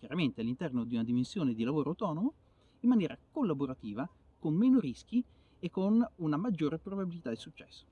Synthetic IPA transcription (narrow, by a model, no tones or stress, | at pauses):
kʲjaɾament̪ealːint̪ɛrnod̪iunad̪imensjoːned̪ilavoːɾoawt̪ɔːnomo | imːanjɛːɾakolːaboɾat̪iːva | konmeːnoɾisk̟i | ekːonunamad͡ʒːoːɾepɾobabilit̪ad̪isut͡ʃːɛ̥sːo̥